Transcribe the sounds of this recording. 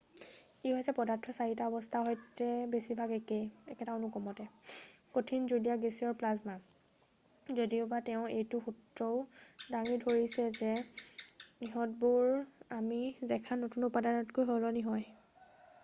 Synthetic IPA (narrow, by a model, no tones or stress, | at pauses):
iɦɔjsɛpɔdatʰɔsaɹitaɔbɔstʰaɦojtɛbesibʱaɡɛkejɛkɛtaonukɔmɔtɛkotʰinzudijaɡesiɔɹplazma | zodiʊbatɛʊ̃ejtʊxutɹɔʊdaŋidʱoɹisɛzɛ | niɦɔtbuɹamizɛkʰanotunʊpadaɹɔtkojɦolɔniɦɔj